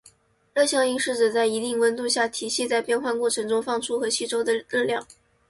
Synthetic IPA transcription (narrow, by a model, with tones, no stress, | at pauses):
lɤ˥˧ɕjɑ˥˧ŋi˥˧ŋʂɻ̩˥˩ʈ͡ʂə˨˩t͡sa˥˩ɪi˧˥t̪i˥˩ŋwə˧˥nt̪u˥˧ɕja˥˩t̪ʰi˨˩ɕi˥˧t͡sa˥˧ɪpjɛ˥˧nxwa˥˧nkwɔ˥˩ʈ͡ʂʰɤ˧˥ŋʈ͡ʂʊ˥ŋfɑ˥˧˩ŋʈ͡ʂʰu˥xɤ˧˥ɕi˥˩ʈ͡ʂo˥ʊd̪ə˨˧l̩˥˧ljɑ˥˩ŋ